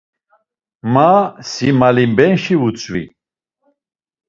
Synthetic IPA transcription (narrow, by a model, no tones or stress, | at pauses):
masimalimbɛnʃiut͡sʰʼwḭ